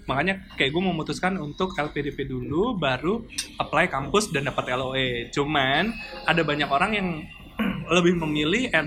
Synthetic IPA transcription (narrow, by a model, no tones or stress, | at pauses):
makaɲakajak̚ɡuaməmut̪uskanunt̪ʊkɛlpedepedulubaɾuʔəplajkampʊsdandapat̪ɛloet͡ʃumanadabaɲakoɾaŋjaŋ | ləbɪhməmilɪhɛ